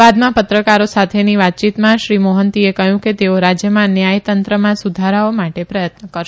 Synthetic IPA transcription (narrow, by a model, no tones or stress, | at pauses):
ad̪mãpət̪ɾəkaɾosat̪ʰeniʋat̪̚t͡ʃit̪mãʃɾimoɦənt̪iekəɦjũket̪eoɾad͡ʒjəmãnjajt̪ənt̪ɾəmãsud̪ʱaɾaomaʈepɾəjət̪nəkəɾʃ